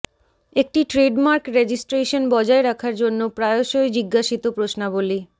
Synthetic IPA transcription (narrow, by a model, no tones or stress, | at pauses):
ek̚ʈiʈɾeɖmaɾkɾed͡ʑisʈɾeʃonbɔd͡ʑaeɾakʰaɾd͡ʑonːopɾaeoʃojd͡ʑiɡːaʃit̪opɾosnaboli